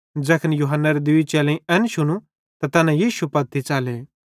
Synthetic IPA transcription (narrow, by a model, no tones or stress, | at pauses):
d͡ʒɛːkʰənjuːɦənːaɾed̪ʊit͡ʃɛːlẽĩɛnʃʊñu | t̪at̪ɐnãjiːʃupɐt̪ːit͡ʃaːleː